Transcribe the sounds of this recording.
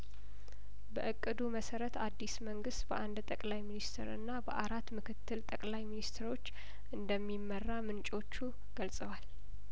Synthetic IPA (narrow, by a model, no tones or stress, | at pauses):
bəʔɨkʼːɨd̪uməsəɾət̪ad̪ːisməŋɡɨst̪bəʔand̪t̪ʼəkʼlajminist̪ʰḛɾɨ̰nːabəʔaɾat̪mɨkʰɨt̪ːɨlt̪ʼəkʼlajminist̪ʰɾo̞t͡ʃː | ʔɨnd̪əmːimːərːamɨnt͡ʃʼo̞t͡ʃːu | ɡ̥əlsʼəwal